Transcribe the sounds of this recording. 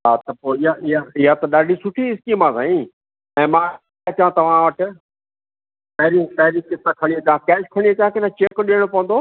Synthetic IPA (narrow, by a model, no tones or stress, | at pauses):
ɦaːt̪ɐpoːɪɦaɪɦaɪɦat̪ɐɗaːɖʱisʊʈʰiɪskimãːsãːĩː | ɛ̃ːmãː | ɐt͡ɕãt̪ɐʋ̤ãʋɐʈɪ̆ | pɐɦɪɾipɐɦɪɾikɪt̪akʰɐɽ̃iɐt͡ɕãkɛːʃkʰɐɽ̃iɐt͡ɕãkɪnãt͡ɕekɗiəɽ̃opɐʋə̃nd̪o